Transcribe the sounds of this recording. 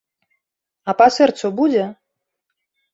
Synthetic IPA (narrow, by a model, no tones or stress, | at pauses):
ɐpasɛrt̪subud͡zʲɛ